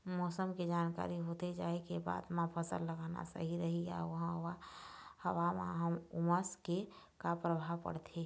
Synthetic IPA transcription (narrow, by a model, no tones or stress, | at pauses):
mɔːsəmked͡ʒaːnka̰ːɾiɦot̪ed͡ʒa̰ːekeba̰ːd̪mãpʰəsə̰lːəɡana̰sə̰ɦiɾəɦia̰ʋəɦãʋahəʋamã̰ɦəmʊməske | kapɾəbʱaʋpə̰ɽt̪ʰeː